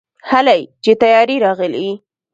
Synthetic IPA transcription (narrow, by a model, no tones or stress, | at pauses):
halajt͡ʃet̪ajɑɾiɾɑɣəlḭi